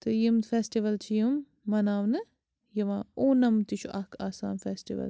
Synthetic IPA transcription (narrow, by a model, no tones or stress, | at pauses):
t̪ɨjimt̪feːsʈiʋɐlt͡ʃʰijumː | ɐnaːʋnɨ | jɐʋãːoːnɐmt̪it͡ʃʰuʔɐkaːsaːnfesʈiʋɐ̰l